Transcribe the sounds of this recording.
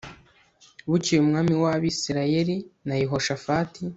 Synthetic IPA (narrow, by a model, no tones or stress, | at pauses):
βucijumŋaːmiwaβisiɾaje̞ɾinajiɦo̞ʃafaːti